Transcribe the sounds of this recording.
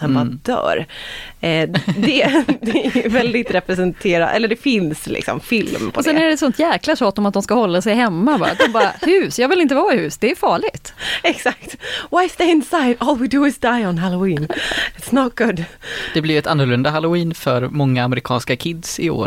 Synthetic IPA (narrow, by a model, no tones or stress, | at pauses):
ɛnbɑd̪œ̰ːɾ | d̪ɛd̪ɛvɛld̪ɪt̪ɾɛpɾɛsɛnt̪ʰeːɾa̰d̪ɛ̰lːɖɛfɪnslɪ̰ksɔ̰mfɪlmpʰɔsɛnæɖɛt̪sɔnt̪jɛːklaʂɑːt̪ːɔmat̪̚d̪ɔmskahɔlːasɛjhɛmːabɑ̰ːɾa̰t̪̚d̪ɔmbɑːɾahʉ̟ːsjɑːɡvɪlɪnt̪̬əvɑːhʉ̟ːsd̪ɛːɾjʏfɑːɭɪɡt̪ɛksakt̪waɪst̪eɪɪnsajd̪ɔːlˠwid̪uɪzd̪aɪənɦaloiːnɪt̪snɔt̪̚ɡ̥ʊd̪d̪̥ɛblɪɾjɛt̪anːəɾɭɵnd̪aɦalʊiːnfœɾmɔŋːaːmɾɪkʰɑːnskakʰɪd̪sɪo̰ːɾ